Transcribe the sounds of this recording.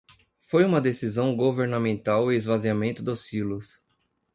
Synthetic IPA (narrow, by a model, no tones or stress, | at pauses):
fojũmɐd̪esizɐ̃w̃ɡoveɾnamẽnt̪awɪezvaziamẽnt̪ʊd̪osilʊs